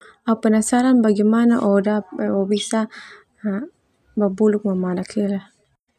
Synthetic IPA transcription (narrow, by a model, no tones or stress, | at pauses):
aupanasaɾanbaɡimanaʔɔdaobisa | a | babuluk̚mamadakʰila